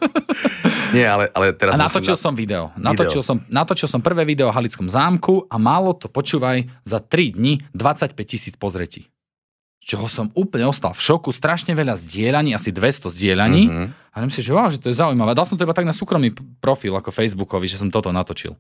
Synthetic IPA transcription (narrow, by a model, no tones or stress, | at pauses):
ɲɪɛalɛʔa̰lɛt̪ɛɾaanat̪ɔt͡ʃilˠsɔmʋid̪ɛɔ̰nat̪ɔt͡ʃilˠsɔmnat̪ɔt͡ʃilˠsɔmpr̩ʋɛːʋid̪ɛɔɦalit͡skɔmzaːmkuamaːlɔt̪ɔpɔt͡ʃuːʋajzat̪ɾid̪ɲid̪ʋat͡sacpɛc̚cisiːt͡spɔzɾɛcḭː | t͡ʃɔɦɔsɔmuːpl̩ɲɛɔst̪a̰lfʃɔkust̪ɾaʃɲɛʋɛʎazɟɪɛʎaɲiːasid̪ʋɛst̪ɔzɟɪɛʎaɲiːaɛmsiʒɛɔaʊʒɛt̪ɔjɛzaujmaʋɛːad̪alˠsɔmt̪ɔibat̪aɡnasuːkɾɔmniːpɾɔfilakɔfɛjzbukɔʋiʒɛsɔmt̪ɔt̪ɔnat̪ɔt͡ʃḭlˠ